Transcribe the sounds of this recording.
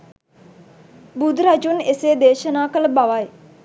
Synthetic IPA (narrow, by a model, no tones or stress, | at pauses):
bud̪ɾad͡ʒuneseːd̪eːʃənaːkələbaʋaj